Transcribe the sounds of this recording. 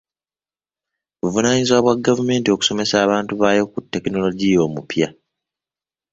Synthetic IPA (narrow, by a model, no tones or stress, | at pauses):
βuvunaɲizwaːβwaɡːavume̞ːntio̞ku̥so̞me̞saːβaːntuβaːjo̞kutːe̞kino̞lo̞ɟijo̞ːmupja